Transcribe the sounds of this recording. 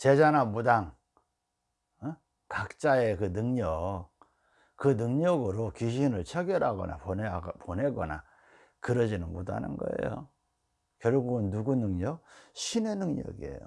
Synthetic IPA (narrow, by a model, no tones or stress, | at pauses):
t͡ɕe̞d͡ʑanamudaŋ | kak̚t͡ɕ͈aekɯnɯŋɲʌk̚ | kɯnɯŋɲʌɡɯɾokiɕ̬ʰinɯɭt͡ɕʰʌɡjʌɾɦaɡʌ̰na̰ponpone̞ɡʌna̰ | kɯɾʌd͡ʑinɯnmodɦa̰nɯ̰nɡʌ̰ḛjo̰ | kjʌɭɡuɡɯnːuɡunɯŋɲʌk̚ɕʰine̞nɯŋɲʌ̰ɡiḛjo̰